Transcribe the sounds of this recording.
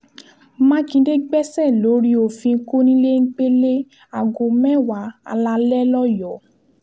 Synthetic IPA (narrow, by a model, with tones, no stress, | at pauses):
mã˦kĩ˧˦de˦ɡ͡bɛ˦sɛ˦˨lo˨˦ɾi˦o˨fĩ˧˦ko˦nĩ˦le˦ŋ̩˦k͡pe˦le˦ | a˨ɡo˨mɛ̃˦˨wa˨˦a̰˧la˧lɛ˦lɔ˦jɔ˨˦